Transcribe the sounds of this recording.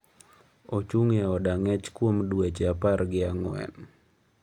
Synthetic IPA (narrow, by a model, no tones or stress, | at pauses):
ot͡ʃuŋeɔdaŋɛt͡ʃkwomduet͡ʃaparɡɪaŋɔɛ̰n